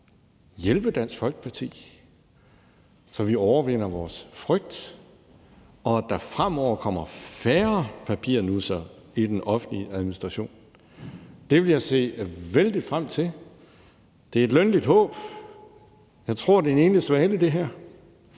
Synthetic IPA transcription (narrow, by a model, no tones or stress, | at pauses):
jelb̥əd̥æn̰sɡ̥fɒ̽lɡ̥ə̥pʰɑ̈t͡sʰḭː | sɒ̽ʋiɒʊɐʋen̰ɐʋɒːsfʁœɡ̥̚d̥ | ɒ̽d̥ɑ̈fʁam̰ɒʊ̰ɐkʰɒ̽m̰ɐfæːɐpʰæpʰḭɐ̰nuðˠsɒid̥enɒ̽fn̩liʔæðˠminisd̥ʁɑ̈ɕo̝̰ːn | d̥e̝ʋe̝ljɑ̈ɪse̝̰ːæʋeld̥id̥fʁam̰t͡sʰe̝l | d̥e̝ɐe̝d̥lønlid̥ɦɔ̰̽ːb̥ | jɑ̈ɪt͡sʰʁo̝ɐ̰d̥e̝ne̝ːnlisʋɛːləd̥e̝ɦæɐ̰